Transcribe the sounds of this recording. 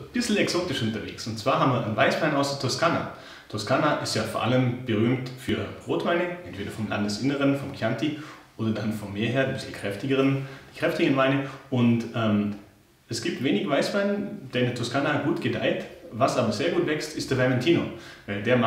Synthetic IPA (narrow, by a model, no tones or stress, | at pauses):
b̥ɪsl̩ɛksoːtɪʃʔʊntɐvḛːksʊntt͡sv̥aːɐɦaːmviɐʔaɪnvaɪsv̥aɪnʔaʊsɐtʰʊɐskana̰ | tʰuɐskanaʔɪstjaːfɔːɐʔa̰ləmb̥əʁyːmtfyːɐʁoːtv̥aɪnəʔɛntv̥eːdɐfɔmla̰ndəsʔɪnəʁənfɔmkʰjantiʔoːdɐdanfɔmːeːɐɦeːɐdiːbɪsl̩kʁ̥ɛftɪɡəʁənd̥iːkʁ̥ɛftɪɡəənvaɪnəʔʊntʔɛːm | ʔɛsɡ̥iːp̚tv̥eːnɪçvaɪsv̥aɪnnd̥eːɐɪndɛɐtʰʊɐskanaɡuːtɡ̥əda̰ɪtvasaːbɐzeːɐɡuːtv̥ɛkstɪstd̥eːɐvɛɐmɛntʰiːno̰vaɪldeːɐma